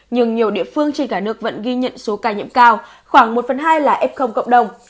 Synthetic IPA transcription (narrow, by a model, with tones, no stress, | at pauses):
ɲɨ˧ŋɲi˨˩əwɗḭ˧˨əfɨ˧əŋt͡ɕe˧nkaː˧˩nɨ˦˥ək̚və̰˧˥nɣi˧ɲə̰˧˨nso˨˦kaː˧˩ɲḭ˧˥əmkaː˧w | xwaː˧˩ŋmo˨˩t̚fə˨˩nɦaː˧jlaː˨˩ʔɛ˦˥p̚xə˧wŋ͡mkə̰˧˨wŋ͡mɗə˨˩wŋ͡m